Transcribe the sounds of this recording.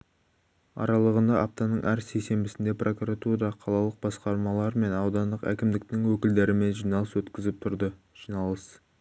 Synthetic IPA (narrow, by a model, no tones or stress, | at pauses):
ɑ̰ɾɑlˠəʁənd̪ɑʔɑp̚t̪ɑnəɴʔæɾse̞jse̞mbɪsɪnd̪e̞prʔo̞kuɾat̪uɾɑqʰɑlˠɑlˠəq̚bɑsqɑɾmɑlˠɑɾme̞nɑwd̪ɑnd̪əqæ̰kʲɪmd̪ɪk̚t̪ɪŋwɵkʲɪld̪eɾɪme̞nʒijnɑlˠəswɵt̪kʲɪzɪp̚t̪ʰʊɾd̪ə | ʒ̥ijnɑlˠəs